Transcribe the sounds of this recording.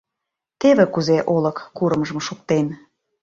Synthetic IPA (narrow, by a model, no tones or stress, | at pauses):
t̪eβĕkuzeʔolɤ̆kːuɾə̆mʒə̆mʃuk̚t̪en